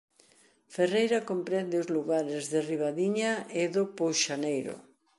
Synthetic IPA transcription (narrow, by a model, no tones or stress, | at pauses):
ferejɾakompɾɛnd̪eʊzluɣaɾɪzðɪriβ̞aðiɲaɪðʊpowʃanejɾʊ̰